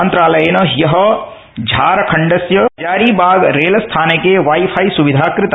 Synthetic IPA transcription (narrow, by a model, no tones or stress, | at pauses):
nt̪ɾaːlɐjeːnɐjɐɦɐ | d͡ʒʱaːɾɐkʰɐɳɖɐsjɐd͡ʒaːɾiːbaːɡɾeːlst̪ʰaːnekeʋaːipʰajsuʋid̪ʱaːkɾɪt̪ɐ